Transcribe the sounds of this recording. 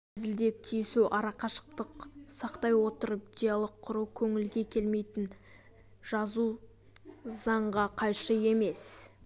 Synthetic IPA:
zɪld̪e̞p̚t̪ʰijɪsuʔɑɾɑqɑʃə̥q̚t̪əqsɑqt̪ɑjwo̞t̪əɾəpd̪ʲejalˠəqʰːʊɾuwkʲʰɵŋɪlɡʲe̞kʲʰe̞lme̞jt̪ɪn | ʒ̥ɑzu | zɑɴʁɑqʰɑjʃəe̞me̞s

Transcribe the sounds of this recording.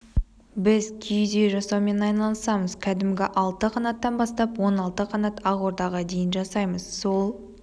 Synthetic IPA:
bɪzkʲʰijd̪ejʒɑsɑwme̞nɑjnɑlˠəsɑməzkʲʰæd̪ɪmɡʲɪʔɑlˠt̪əqʰɑnɑt̪ːɑnbɑst̪ɑpwo̞nɑlˠt̪əqʰɑnɑt̪ɑʁwo̞ɾd̪ɑʁɑd̪e̞jɪnʒɑsɑjməzso̞lˠ

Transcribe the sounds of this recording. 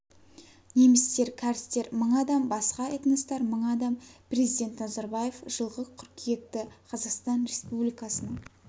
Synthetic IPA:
ne̞mɪst̪e̞ɾkʲʰæɾɪst̪e̞ɾməɴɑd̪ɑmbɑsqɑet̪nəst̪ɑɾməɴɑd̪ɑmpɾʲe̞zijd̪ʲe̞nt̪nɑzɑɾbɑje̞fʒ̥əlˠʁəzqʲʰʏɾkʲʰije̞t̪ːɪqʰɑzɑqst̪ɑnɾe̞spublijkɑsənəɴ

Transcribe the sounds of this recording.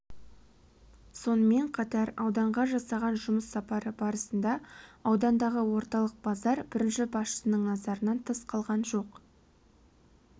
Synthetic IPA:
so̞nəme̞ɴqʰɑt̪ɑɾɑwd̪ɑɴʁɑʒɑsɑʁɑnʒʊməsːɑpɑɾəbɑɾəsənd̪ɑɑwd̪ɑnd̪ɑʁəwo̞ɾt̪ɑlˠəq̚b̥ɑzɑɾbɪɾɪnʃɪbɑsʃə̥sənəɴnɑzɑɾənɑnt̪ʰəsqʰɑlˠʁɑnʒo̞q

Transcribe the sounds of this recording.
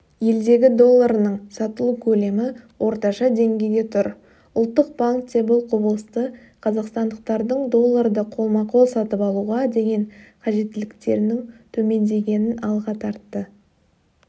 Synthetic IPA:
je̞ld̪e̞ɡʲɪd̪o̞lˠːaɾnəɴsɑt̪əlˠukʲʰɵle̞mɪwʔo̞ɾt̪ɑʃɑd̪e̞ŋɡʲe̞jɡʲe̞t̪ʰʊɾ | ʊlˠt̪ːəq̚b̥aŋkt̪ʰebəlˠqʰobəlˠəst̪ə | qʰɑzɑqst̪ɑnd̪əq̚t̪ɑɾd̪əɴd̪o̞lˠːaɾd̪əqʰo̞lˠmɑqʰo̞lˠsɑt̪əpɑlˠuʁɑd̪e̞ɡʲe̞ŋqʰɑʒe̞t̪ːɪlɪkt̪e̞ɾɪnɪŋt̪ʰɵme̞nd̪e̞ɡʲe̞nɪnɑlˠʁɑt̪ʰɑɾt̪ːə

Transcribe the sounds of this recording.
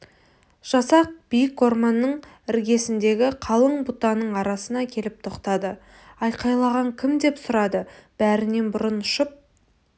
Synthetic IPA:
ʒ̥ɑsɑq̚b̥ijɪko̞rmɑnːəɴ | ɪɾɡʲe̞sɪnd̪e̞ɡʲɪqʰɑlˠəɴbut̪ɑnəɴɑɾɑsənɑkʲʰe̞lɪp̚t̪ʰo̞qt̪ɑd̪ə | ɑjqʰɑjlˠɑʁɑŋkʲʰɪmd̪e̞psʊɾɑd̪əb̥æɾɪne̞nbʊɾənʊʃəp̚

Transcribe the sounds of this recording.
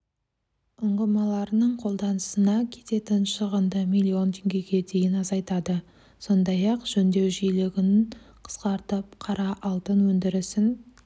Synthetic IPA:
ʊɴʁəmɑlˠɑɾənəɴqʰo̞lˠd̪ɑnəsənɑkʲʰe̞̥t̪e̞t̪ɪnʃəʁənd̪əmijlʲːio̞nt̪ʰeŋɡʲe̞ɡʲe̞d̪e̞jɪnɑzɑjt̪ɑd̪ə | so̞nd̪ɑjɑqʒ̥ɵnd̪e̞wʒijlɪɡʲɪn | qʰə̥sqɑɾt̪əp̚qʰɑɾɑʔɑlˠt̪ənwɵnd̪ɪɾɪsɪn

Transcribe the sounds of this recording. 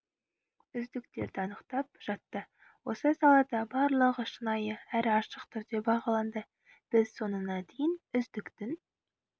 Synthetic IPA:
ʏzd̪ɪkt̪e̞ɾd̪ɪɑnəqt̪ɑp̚ʒ̥ɑt̪ːə | wo̞səsɑlˠɑd̪ɑbɑɾlˠəʁəʃənɑjəæɾɑʃəqt̪ʰʏɾd̪ebɑʁɑlˠɑnd̪ə | b̥ɪzso̞nənɑd̪ejɪnʏzd̪ɪkt̪ɪn

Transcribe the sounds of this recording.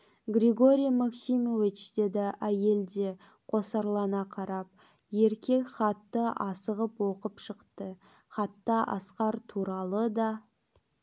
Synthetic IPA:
ɡɾʲeɡo̞ɾʲijmaksimo̞vit͡ʃd̪̥e̞d̪ɪʔæje̞ld̪e̞ | qʰo̞sɑɾlˠɑnɑqʰɑɾɑp̚ | je̞ɾkʲe̞kχɑt̪ːəʔɑsəʁəpwo̞qəpʃəqt̪ə | χɑt̪ːɑʔɑ̰sqɑɾt̪ʰuɾɑlˠəd̪ɑ

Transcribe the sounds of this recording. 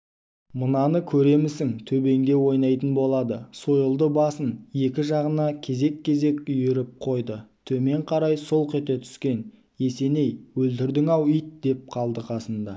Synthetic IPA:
mənɑnəkʲʰɵɾe̞mɪsɪŋt̪ʰɵbe̞ŋd̪e̞wo̞jnɑjt̪ənbo̞lˠɑd̪əso̞jəlˠd̪əbɑsənje̞kʲɪʒɑʁənɑkʲʰe̞ze̞kʰʲːe̞ze̞kʲʏjeɾɪp̚qʰo̞jd̪ət̪ʰɵme̞ɴqʰɑɾɑjso̞lˠqe̞t̪et̪ʰʏ̥skʲe̞n | e̞se̞ne̞jwɵlt̪ɪɾd̪ɪŋɑwʏjt̪̚d̪e̞p̚qʰɑlˠd̪əqʰɑsənd̪ɑ̰

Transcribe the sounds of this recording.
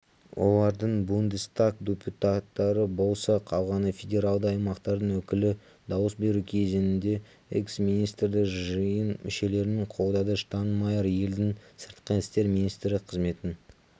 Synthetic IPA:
wʔo̞̰lˠɑɾd̪əɴbund̪ist̪akd̪ʲepʲjut̪at̪ːɑɾəbo̞lˠsɑqʰɑwʁɑnəfʲedʲe̞ɾalˠd̪əɑjmɑqt̪ɑɾd̪əɴwɵkʲɪlɪ | d̪ɑwəsbe̞ɾukʲʰe̞zenɪnd̪e̞ | ḛksmʲinijst̪rd̪ɪʒəjənmʔɪʃe̞le̞ɾɪnɪɴqʰo̞w̪ˠd̪ɑd̪əʃə̥t̪ʰɑnmɑjɑɾje̞ld̪ɪŋsəɾt̪qʰenɪst̪e̞ɾminist̪ɾɪqʰəzme̞t̪ɪn

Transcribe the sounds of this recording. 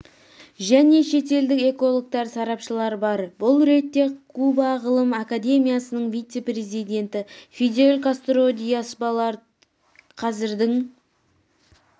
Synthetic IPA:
ʒæne̞ʃe̞t̪e̞ld̪ɪke̞ko̞lˠok̚t̪ɑɾsɑɾɑpʃəlˠɑɾbɑɾbʊlˠɾe̞t̪ːe̞kʰubɑʁəlˠəmakad̪e̞mʲijasənəɴvijt̪se̞pre̞zijd̪ʲe̞nt̪ɪfʲed̪ʲeolʲkast̪ɾod̪ʲijasbɑlˠɑɾ | qʰɑzɪɾd̪ɪŋ

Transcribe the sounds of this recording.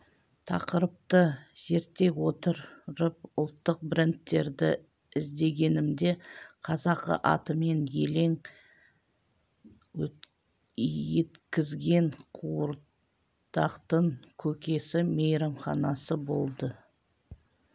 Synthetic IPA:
t̪ʰɑ̰qəɾəp̚t̪əz̥e̞ɾt̪ːe̞kwot̪əɾɾəp̚ʊlˠt̪ːəq̚bɪɾʲɪnt̪ːe̞ɾd̪ɪ | ɪzd̪e̞ɡʲe̞nɪmd̪e̞qʰɑzɑqə̰ʔɑ̰t̪əme̞nje̞le̞ŋ | wɵ | je̞t̪kʲɪzɡʲe̞ɴqʰuɾ | d̪ɑqt̪əɴkʲʰɵkʲe̞sɪmejɾɑmχɑnɑsəbo̞lˠd̪ə

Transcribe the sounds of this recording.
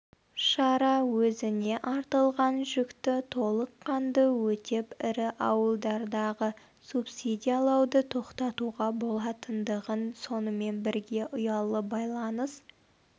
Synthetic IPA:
ʃɑɾɑwɵzɪne̞ʔɑɾt̪əlˠʁɑnʒʏkt̪ɪt̪ʰo̞lˠəqʰːɑnd̪əwɵt̪e̞pɪɾɪʔɑwəlˠd̪ɑɾd̪ɑʁə | supsʲid̪ʲijalˠɑwd̪ət̪ʰo̞qt̪ɑt̪uʁɑbo̞lˠɑt̪ənd̪əʁənso̞nəme̞nbɪɾɡʲe̞ʔʊjɑlˠəbɑjlˠɑnəs

